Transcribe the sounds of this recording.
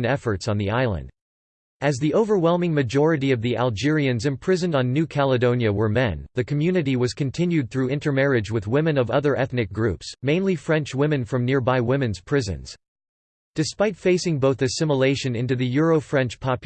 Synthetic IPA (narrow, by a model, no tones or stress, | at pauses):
nɛfə˞tsn̩ðiaɪlˠə̰̃nd | ɨzðiʔoʊvə˞wɛlˠmɪ̃ŋmɨd͡ʒɔɹɨɾiʌvðiʔæ̰lˠd͡ʒɪɹiɨ̃nzɨ̃mpʰɹ̥ɪzɨ̃n̩dn̩ːʉkʰælˠədõʊ̃njɨwə˞mɛ̃nðɨkʰɨmjʉnɨɾiwʌz̥kʰɨ̃n̩tʰɪ̃njʉd̪̚θɹʉɪ̃ntə˞mɛɹɨd͡ʒwɨðwɪ̃mɨ̃nʌvʌðə˞ʔɛθnɨk̚ɡ̥ɹʉpsmẽɪ̃nlifɹɛ̃nt͡ʃwɪ̃mɨ̃nfɹʌ̃mnɪɹbaɪwɪ̃mɨ̃nz̥pʰɹ̥ɪzɨ̰̃nz̥ | d̥ɨspaɪtfeɪsɪ̃ŋboʊθɨsɪ̃məleɪʃɨ̃nɪ̃ntʉðɨjʊɹoʊfɹɛ̃nt͡ʃpʰɑpj